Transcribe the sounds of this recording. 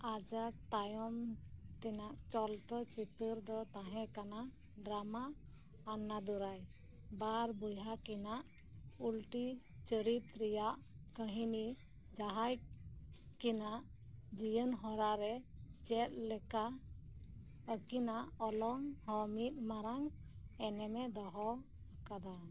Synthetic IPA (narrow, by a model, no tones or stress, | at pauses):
ad͡ʒak̚t̪ajɔmt̪ɛnaʔt͡ʃɔlt̪ɔt͡ʃit̪əɾd̪ɔt̪ãɦɛ̃kana | ɖɾamaː | nːad̪uɾaj | baɾbujɦakɛnaʔ | ulʈi | t͡ʃəɾip̪̚ɾijaʔkəɦini | d͡ʒaɦaj | kinaʔ | d͡ʒijənɦɔɾaɾɛt͡ʃɛt̪̚lɛka | əkinaʔɔlɔŋɦɔmit̪̚maɾaŋɛnɛmɛd̪ɔɦɔ | akad̪a